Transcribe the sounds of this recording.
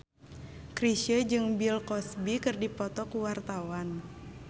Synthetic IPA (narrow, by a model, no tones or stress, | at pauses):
kɾiʃəd͡ʒɨŋbilkɔsbikɨrdipɔt̪ɔkuwart̪awan